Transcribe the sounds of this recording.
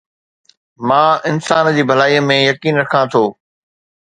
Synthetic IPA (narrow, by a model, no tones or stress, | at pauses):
mãːɪnsaːnd͡ʑiːbʱɐlaːiːəmẽjɐkiːnɾɐkʰãt̪ʰoː